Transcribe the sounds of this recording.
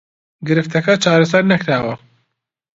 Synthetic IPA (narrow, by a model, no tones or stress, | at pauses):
ɡɨɾɨft̪ʰɐkɐt͡ʃaːɾɐs̬ɐɾnɐkɾaːwɐ